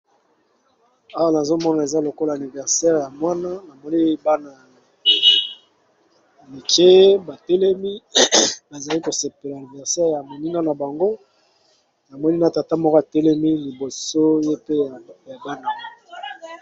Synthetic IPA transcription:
a˦wa˦na˨zo˦mɔ˦na˨e˨za˦lo˨ko˦la˨ni˨vɛ˨ʁsɛ˦ʁja˨mwa˦na˦na˨mɔ˦ni˦ba˦na˨ | mi˨t͡ʃe˦e˦ba˨te˦lɛ˦mi˦na˨za˨li˦ko˨se˨pe˨la˨ni˨vɛ˨ʁsɛ˦ʁja˨mo˨ni˦na˦na˨ba˨ŋɡo˦ | na˨mɔ˦ni˦na˦ta˨ta˦mɔ˦ko˦a˨tɛ˦lɛ˦mi˦li˨bo˨so˦je˦pe˦˨ja˨ba˦na˦

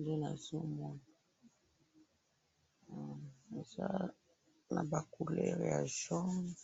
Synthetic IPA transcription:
nde˦na˨zo˦mɔ˦na˨ | e˨za˦ | na˨ba˨ku˨lɛ̰˦ʁja̰˨ʒɔ˦

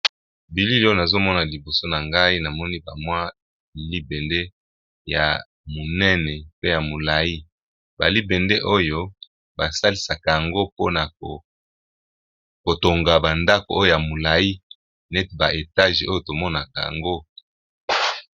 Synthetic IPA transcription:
bi˨li˦ljo˦na˨zo˦mɔ˦na˨li˨bo˨so˦na˨ŋɡa˦i˦na˨mɔ˦ni˦ba˨mwa˦ | i˨li˦bɛ˨nde˦ | ja̰˨ | mo˨nɛ˦nɛ˨pe˦ja˨mo˨la˨i˦ | ba̰˨li˦bɛ˨nde˦ʔo˦jo˦ | ba˨sa˦li˦sa˨ka˨ja˨ŋɡo˦po˦na˨o˨ | ko˨to˨ŋɡa˨ba˨nda˦ko˨o˦jo˨ja˨mo˨la˨i˦ | nɛ˦tba˨ʔe˨ta˦ʒo˦jo˦˨to˨mɔ˦na˨ka̰˨ja̰˨ŋɡo˦

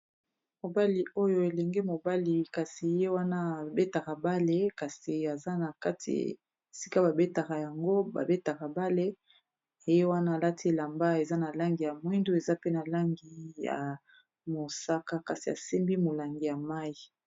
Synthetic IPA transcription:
mo˨ba˦li˨ʔo˦jo˦e˨lɛ˨ŋɡe˦mo˨ba˦li˨ka˨si˨je˦wa˦na˦a˨be˦ta˨ka˨ba˦le˦ka˨si˨a˨za˦na˨ka˦tʰḭ˨ | si˦ka˦ba˨be˦ta˨ka˨ja˨ŋɡo˦ba̰˨be˦ta˨ka˨ba˦le˦ | e˨je˦wa˦naː˦˨la˦ti˦˨la˨mba˦e˨za˦na˨la˦ŋɡi˨ja˨mwi˦ndo˦e˨za˦pe˦na˨la˦ŋɡi˦ja̰˨ | mo˨sa˦ka˦ka˨si˨a̰˨se˦mbi˦mo˨la˨ŋɡi˨ja˨ma˦i˨

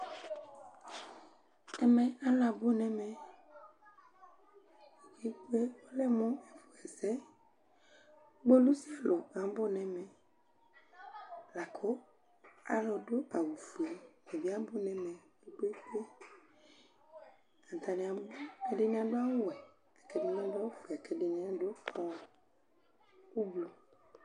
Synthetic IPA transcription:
ɛ˨mɛ̃˨a˦la˨bo˦nɛ̃˨mɛ̃˨ | ke˦k͡pe˦wo˦lɛ˦mɔ̃˦ɛ˨fo˨ɛ˨sɛ˦ | ɡ͡bo˦lu˦si˦a˨lɔ˨a˨m˦bo˦nɛ̃˨mɛ̃˨ | la˨kʰɔ˦ | a̰˨lɔ˨do˦ʔa˨wu˨fu˨i˨mẽ˨vi˦a˦bo˦nɛ̃˨mɛ̃˨du˦k͡pe˦k͡pe˦ | ã˨n˨t̪a˨nĩ˨ã˨bbo˦e˨de˦nĩ˦a˦ɖo˦a˦wo˦wɛ˨ | a˨kɛ˨de˦n˦ã˦do˦a˦wu˦fu˨i˨a˨kʰɛ˨ɖe˨˦nẽ˦ã˨do˦fɔ̃˨ | wu˦blu˨

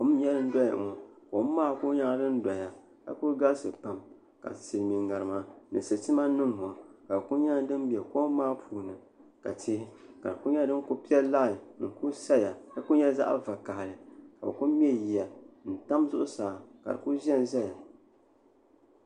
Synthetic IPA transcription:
ko˦m˦ɲɛ˦ɾɨ˦n̩˦dɔ˦ja̰˨ŋo˨ko˨˦m˦maː˦˨ku˦ɲa˦dɨ˦n̩˦da˨ja˨ | ka̰˦ku˦ɡa˦lsɨ˨k͡pa˨m | ka̰˨sɨ˨lmi˨ŋa˨ɾɨ˨ma˦nɨ˨sɨ˨ti˦ma˦nɨ˦ŋho˨ka˨ku˦ɲa˦dɨ˦n˦bɛ˨ko˦m˦maː˦pʰuː˨nɨ˨ | ka̰˨tʰɪ˦hɪ˦ka̰˨ɾɨ˨ku˦ɲa˦dɨ˦n˦ku˦pi˦ɛ˦laː˦˨ŋ̩˨ku˦sa˦˨ja˨ka˦ku˦ɲɛ˦za̰˦ʔva˨ka˨hlɨ˨ka˨bku˦m˦ɛ˦ji˨a˨n̩˨ta˦mzʊ˦ʔʊ˦saː˨ka̰˨ɾɨ˨ku˦zɛ˦n˦zɛ˦ja˨

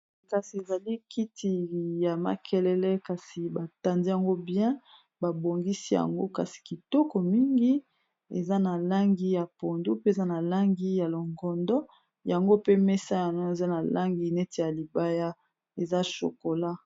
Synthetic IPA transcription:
ka˨si˨e˨za˨li˦kʰi˦tʰi˨ja˨ma̰˨kʰɛ˦lɛ˦lɛ˦ka˨si˨ba˨ta˨ndi˦ja˨ŋɡo˦bjɛ̃˦ | ba˨bo˨ŋɡi˦si˦ja̰˨ŋɡo˦ka˨si̥˨ki˨tɔ˦kɔ˨mi˦ŋɡi˦ | ḛ˨za˦na˨la˦ŋɡi˦ja˨po˨ndu˦pe˦e˨za˦na˨la˦ŋɡi˦ja˨lo˨ŋɡɔ˨ndɔ˦ | ja˨ŋɡo˦pe˦mɛ˦sa˦ja˨nɔ˦e˨za˦na˨lʔa˦ŋɡi˨nɛ˦te˨ja˨li˨ba˦ja˦ | e˨za˦ʃo̰˨ko˨la˦

